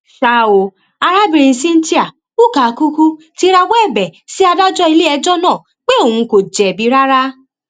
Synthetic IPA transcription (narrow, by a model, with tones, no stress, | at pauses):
ʃa˨o˨ | a˧ɾa˦bi˧ɾĩ˧sĩ˦n̩˦ti˦a˨ | o˦˨ka˨˧ku˦ku˦ | ti˨˦ɾa˧wɛ˦˨bɛ˨si˨˦a˧da˦d͡ʒɔ˦i˧le˦ɛ˧d͡ʒɔ˦nãː˦˨ | k͡pe˦õ˦˨ũ˧ko˨d͡ʒɛ˨bi˨˦ɾa˦ɾa˦